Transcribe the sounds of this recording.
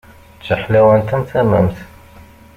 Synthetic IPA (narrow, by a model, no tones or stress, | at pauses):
t͡ʃːəħlæwænt̪ænt̪æmæ̰mt̪